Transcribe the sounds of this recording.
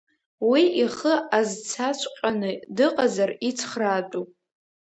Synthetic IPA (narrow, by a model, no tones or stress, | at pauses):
wiiχəazt͡sʰat͡ʃʷʰʼqʷʲʼanɨdɨqʼazarit͡sʰχratʼupʼ